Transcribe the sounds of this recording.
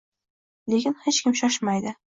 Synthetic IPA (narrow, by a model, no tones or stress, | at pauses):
le̞kʲɪnhet͡ʃkʲɪmʃɒʃmajd̪ɪ